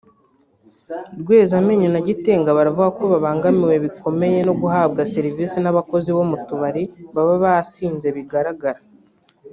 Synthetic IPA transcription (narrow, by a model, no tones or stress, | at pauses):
ɾɡwe̞ːzame̞ːɲonaɟiteːŋɡaβaɾavuɡakoβaβaːŋɡamiwe̞βikʰo̞me̞je̞no̞ɡuɦaːb̚ɡaseɾiviːsinaβako̞ziβo̞mutuβaɾiβaβaβasiːnze̞βiɡaɾaɡaɾa